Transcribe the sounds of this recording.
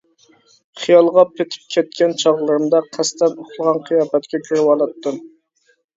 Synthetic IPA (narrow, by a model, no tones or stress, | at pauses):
χijɑlˠʁɑpʰet̪ʰɪ̥p̚kʲʰɛt̪̚kʲɛnt͡ʃʰɑʁlˠɨɾɨmd̪ɑqʰæst̪ɛnoχlˠəʁɑnqʰəjɑːpɛt̪kʲɛkʲʰøɾɪwɑlˠɑt̪ːɨm